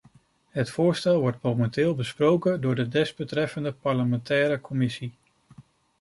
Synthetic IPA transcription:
ɦətfʊːɹstɛlˠʋɔɹtmowmɛntɪːlˠbəsprowkəndʊːɹdədɛzbətrɛfəndəpɑɹləmɛntɛːɾəkɔmɪsi

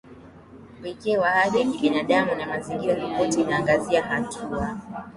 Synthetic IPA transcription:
wikɛwahaɗiɲiɓinaɗamunamaziŋɡiɾavɔpɔtiːnaːŋɡaziahatʰua

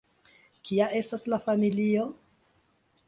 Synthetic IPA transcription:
kiaʔe̞staslafamilio̞

